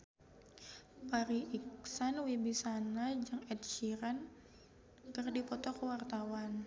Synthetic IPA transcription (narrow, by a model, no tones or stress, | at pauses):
paɾiʔiksanwibisanad͡ʒɨŋɛt̪̚ʃiɾan | kɨrdipɔt̪ɔkəwart̪awan